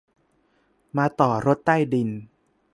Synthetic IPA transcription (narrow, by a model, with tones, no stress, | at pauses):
maː˧t̪ɔː˨˩ɾo˦˥t̪ːa˥˩jdi˧n